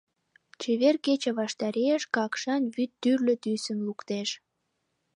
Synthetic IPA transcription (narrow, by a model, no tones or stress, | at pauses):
t͡ɕeβerket͡ɕə̆βɑʃt̪ɑɾʲeəʃkɑkʃɑnβyt̪ːyrlʲə̆t̪ysənlukt̪eʃ